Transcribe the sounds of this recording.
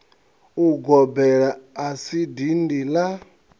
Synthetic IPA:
uɡɔbɛɺaːsidindila

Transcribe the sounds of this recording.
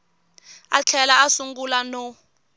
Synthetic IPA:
a̰t͡ɬʰɛlaasuŋɡulanɔ

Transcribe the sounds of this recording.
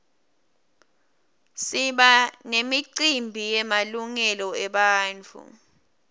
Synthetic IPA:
siɓanemiǀimbʱijɛmaluŋɛlɔɛɓaːnt͡fʰṵ

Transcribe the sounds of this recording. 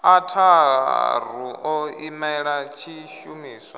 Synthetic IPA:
atʰa | r̤uɔimɛɛɺat͡ʃʰiʃumiːswa

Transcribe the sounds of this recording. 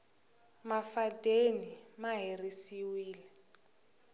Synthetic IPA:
mafatʼenimaɦerisiwiːlɛ

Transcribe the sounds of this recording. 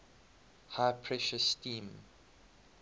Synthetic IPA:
haɪpʰɹɛʃəsːtĩːm

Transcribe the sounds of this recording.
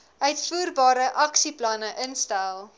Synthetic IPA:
œɥtfuːrbɑːɾəʔɐksiplɐnəʔənstælˠ

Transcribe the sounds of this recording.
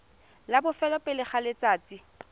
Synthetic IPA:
labʊfɛlɔpʼɪlɪχalɪt͡sʼaːt͡sʼi

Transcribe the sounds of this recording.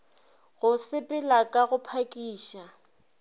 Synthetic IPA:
ɣʊsɪpʼɪlakʼaɣʊpʰakʼiːʃa

